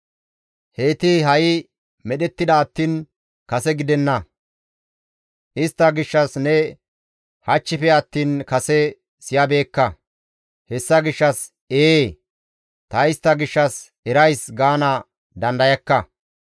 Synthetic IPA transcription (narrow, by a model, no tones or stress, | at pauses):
he̞ːt̪ɪɦɐjɪ | mɛɗɛt̪ːɪd̪ɐːt̪ːiːn | kɐsɛɡɪd̪ɛnːɐ | ʔɪst̪ːɐɡɪʃːɐsnɛ | hɐt͡ʃːɪfɛɐt̪ːiːnkɐsɛ | sɪjɐbe̞ːkːɐ | hɛsːɐɡɪʃːɐs | eː | t̪ɐɪst̪ːɐɡɪʃːɐs | ɛɾɐjsɡaːnɐ | d̪ɐnd̪ɐjɐkːɐ